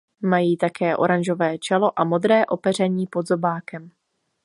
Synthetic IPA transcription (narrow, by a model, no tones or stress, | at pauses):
majiːt̪akɛːʔo̞̰ɾanʒo̞vɛːt͡ʃɛlo̞ʔamo̞d̪ɾɛːʔo̞pɛr̝ɛɲiːpo̞d̪zo̞baːkɛm